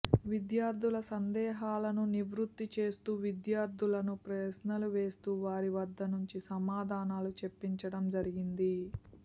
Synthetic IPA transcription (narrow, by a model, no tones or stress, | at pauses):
ʋid̪jaːɾd̪ʱulɐsɐnd̪ɛːɦaːlɐnuniʋɾut̪ːit͡ʃe̞ːst̪uːʋid̪jaːɾd̪ʱulɐnupɾɛsnɐluʋeːst̪uːʋaːɾiʋɐd̪ːɐnuɲt͡ʃisɐmaːd̪ʱaːnaːlut͡ʃe̞pːiɲt͡ʃɐɽɐmd͡ʒɐɾiɡind̪i